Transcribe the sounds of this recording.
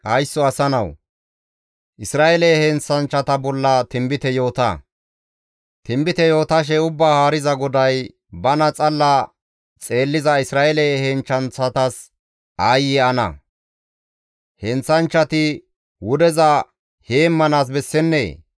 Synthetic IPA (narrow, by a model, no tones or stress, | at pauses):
ʔɐjsːɔɐsɐnɐw | ʔɪsɾaːʔelɛhɛnt͡sːɐnt͡ʃːɐt̪ɐbɔlːɐt̪ɪmbɪt̪ɛjo̞ːt̪ɐ̰ | t̪ɪmbɪt̪ɛjo̞ːt̪ɐʃ̬ɛʊbːaːhaːɾɪzɐɡɔd̪ɐj | bɐnɐt͡sʼɐlːɐ | t͡sʼe̞ːlːɪzɐɪsɾaːɛlɛhɛnt͡ʃːɐnt͡sɐt̪ɐs | aːjɪɐnɐ̰ | hɛnt͡sːɐnt͡ʃːɐt̪ɪ | wʊd̪ɛzɐ | heːmːɐnaːs̬bɛsːɛnːḛː